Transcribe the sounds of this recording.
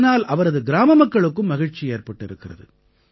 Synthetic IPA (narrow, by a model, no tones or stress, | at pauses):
naːlɐʋɐɾɐðɯɡɪɾaːmɐmɐkːɐɭɯkːɯmːɐɣɪɻt͡ʃieːɾpɐʈːɪɾɯkːɪrɐ̰ðɯ̰